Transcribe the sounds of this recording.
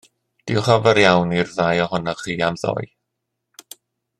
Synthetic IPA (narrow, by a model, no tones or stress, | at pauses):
d̥ɪwχɔvəɾjawnirðajɔhʊnɔχiːamðɔ̰j